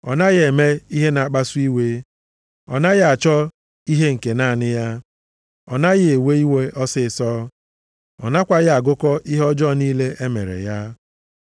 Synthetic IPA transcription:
ɔ̰˨na˦ɣe˨me˦i˦ɦe˦na˨a˨k͡pa˦su˦i˦we˦ | ɔ̰˨na˦ɣɪ˦a˨t͡ʃɔ˦ | i˦ɦe˦ŋ̩˨ke˨na˦˨nɪ˦ja˦ | ɔ˨na˦ɣɪ˦˨e˨we˦i˦we˦ʔɔ˦sɪ˦˨sɔː˦ | ɔ̰˨na˦kʷa˦ɣɪ˦a˨ɡʊ˦kɔ˦ʔi˦ɦɔ˦d͡ʒɔ˦˨niː˦le˦ʔe˦mḛ˨ɾḛ˨ja˦

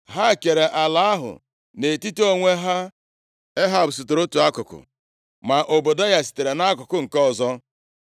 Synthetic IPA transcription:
ɦa˦˨ke˨ɾe˨ʔa˨la˦a˦ɦʊ̰˨ | ne˨ti˦to˦ŋʷe˦ɦa˦ | e˦ɦa˦˨bʊ˨sʊ˨tʊ˨ɾo˦tu˨a˦kʊ˨kʊ̰˨ | ma˨ʔo˨bo˨da˦ja˦si̥˨te˨ɾe˨na˦kʊ˨kʊ˦ŋ̩˨kɔ˦˨zɔ˦

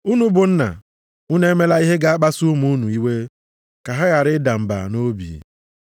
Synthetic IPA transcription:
u˦nu˦bʊ˨n̩˦na̰˨ | u˦ne˦me˦la˦i˦ɦe˦ɡa˦a˦k͡pa˦su˦mu˦u˦nu˨i˦we˦ | ka˨ɦa˦ɣa˨ɾɪ˦da˨m̩˨ba̰˨no˦bḭ˨

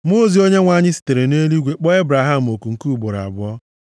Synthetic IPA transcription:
mo˦zi˨˦o˦ɲe˦ŋʷa˦˨ɲɪ˦si̥˨te˨ɾe˨ne˦li˦ɡʷe˦k͡pɔ˦e˦bɾa˨ɦa˦m̩˨o˨ku˨ŋ̩˨ku˦u˨bo˨ɾa̰˨bʊ˨ɔ˦

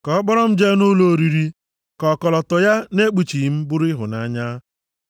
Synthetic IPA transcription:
kɔ˨˦k͡pɔ˦ɾɔ˦m̩˦d͡ʒe˦nʊ˦lo˨ɾi˨ɾi˦ | kɔ˨kɔ˨lɔ˨tɔ˨ja˦ne˦k͡pu˨t͡ʃi˨m̩˦bʊ˦ɾɪ˦ɦʊ̰˨na˦ɲa˦

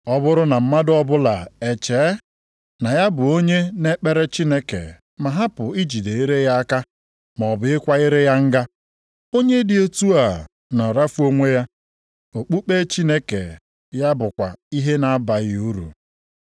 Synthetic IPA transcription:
ɔ˦bʊ˦ɾʊ˦na˨m̩˦ma˦dɔ˦bʊ˦la˨e˨t͡ʃeː˨˦ | na˨ja˦bʊ˨o˦ɲe˦ne˦k͡pe˦ɾe˦t͡ʃi˦ne˦kḛ˨ | ma˨ɦa˦pʊ˨i˦d͡ʒi˨de˨i˦ɾe˦ja˦a˦ka˦ | m˨ɔ˨bʊ˨ɪ˦kʷa˦e˦ɾe˦ja˦ŋ̩˦ɡa˦ | o˦ɲe˦dɪ˨e˦tu˦a˨ | na˨ɾa˦fu˦o˦ŋʷe˦ja˦ | o˨k͡pu˦k͡pe˦t͡ʃi˦ne˦kḛ˨ | ja˦bʊ˨kʷa̰˨i˦ɦe˦na˨a˦ba˨ɣɪ˨u˦ɾṵ˨

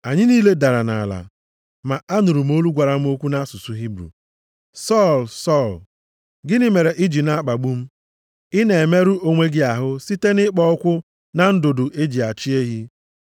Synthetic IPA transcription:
a˨ɲɪ˦niː˦le˦da˨ɾa˨na̰˨la̰˨ | ma˨a˦nʊ˨ɾu˨m̩˦o˦lu˦ɡʷa˨ɾa˨m̩˦o˦kʷu˦na˦su˨su˨ɦi˦bɾṵ˨ | sɔ˦˨lsɔ˦˨l | ɡɪ˦nɪ˦me˨ɾe˨ʔɪ˦d͡ʒi˨na˦k͡pa˨ɡ͡bu˦m̩˦ | ɪ˦ne˨e˨me˦ɾu˦o˦ŋʷe˦ɡɪ˦a˨ɦʊ˦si˦te˦nɪ˦k͡pɔ˦ʊ˦kʷʊ˦ | na˦n̩˦do˨do˨ʔe˦d͡ʒi˨a˨t͡ʃi˦e˦ɦi˦

